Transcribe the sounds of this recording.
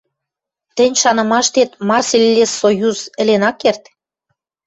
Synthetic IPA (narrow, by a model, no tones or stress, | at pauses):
t̪ɘ̆nʲʃɑnɤ̆mɑʃt̪et̪mɑrselʲːesojuzɘ̆lenɑkːert̪